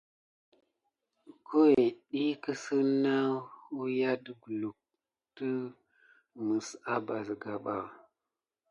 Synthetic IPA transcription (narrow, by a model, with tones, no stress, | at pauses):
ko˦we˨ɗi˦kə˦sə˦na˦hu˦ja˦də˦ɡu˨lu˨k̚ | tə˦ | mə˨sa˦ba˨zɡa˨ɓa˨